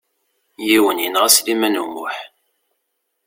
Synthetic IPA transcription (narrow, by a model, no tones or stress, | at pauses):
jiwəniənʁæslimænṵmʊ̰ħ